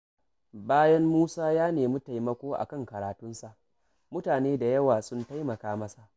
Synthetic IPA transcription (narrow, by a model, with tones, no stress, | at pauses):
baː˦jɐ˦mːuː˦saː˦jaː˦neː˨mʊ˦ta˨jmɐ˦kʷoː˦ʔa̰˨kɐ˦˨ŋkɐ˨ɾaː˨tʊ˦nsa˨ʔ | mʊ˦taː˨neː˦da˨jɐ˦waː˨sʊ˦nta˦jmɐ˨kaː˦mɐ˦sa˨ʔ